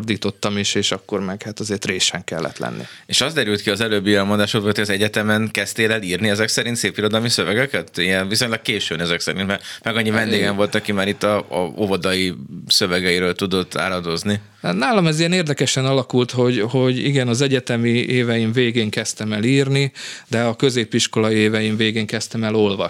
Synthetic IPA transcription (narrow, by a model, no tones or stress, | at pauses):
rd̪iːt̪o̞t̪ːɒmiʃeːʃɒkːo̞rmɛɡhaːt̪ɒzeːrt̪reːʃɛŋkɛ̰lːɛ̰t̪lɛ̰nːḭeʃɒzd̪ɛɾylt̪kiɒzɛløːbːiɛmo̞nd̪aːʃot̪ʋot̪ʰoɒzɛɟɛt̪ɛmɛŋkɛst̪eːlɛliːrniɛzɛksɛɾint̪seːpiɾo̞d̪ɒlmisøvɛɡɛkɛt̪ijɛnviso̞ɲlɒkkeːʃynɛzɛksɛɾint̪mɛrmɛɡɒɲːivɛnd̪eːɡɛɱvo̞lt̪ɒkimaːɾit̪ːɒɒ̰ovɒd̪ɒjisøvɛɡɛjiɾøːlt̪ud̪o̞t̪ːa̰ːɾɒd̪o̞zni | naːlɒmɛziɛneːrd̪ɛkɛʃɛnɒlɒkult̪ho̞ɟho̞ɟḭɡɛnɒzɛɟɛt̪ɛmieːvɛjiɱveːɡeːŋkɛst̪ɛmɛliːrnid̪ɛɒkø̞zeːpiʃko̞lɒieːvɛjiɱveːɡeːŋkɛst̪ɛmɛlo̞lvɒʃ